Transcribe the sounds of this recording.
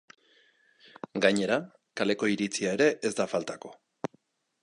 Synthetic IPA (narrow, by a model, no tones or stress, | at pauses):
ɡaɲe̞ɾa | kale̞ko̞iɾit͡siae̞ɾe̞ʔezd̪afalt̪ako̞̥